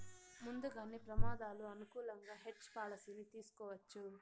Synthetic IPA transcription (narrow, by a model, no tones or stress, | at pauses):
mund̪uɡaːneːpɾɐmaːd̪aːluɐnukuːlɐŋɡaːɦeʈt͡ʃpaːlɐsinit̪iːsu̥kɔːʋɐt͡ʃːu